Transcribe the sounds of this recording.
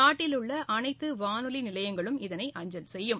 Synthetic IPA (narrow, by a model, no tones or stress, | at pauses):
aːʈːɪlɯɭːɐʔɐnɐɪt̪ːɯʋaːnɯlinɪlɐjɐŋɡɐɭɯmɪðɐnɐɪʔɐɲd͡ʒɐlsɛjːɯm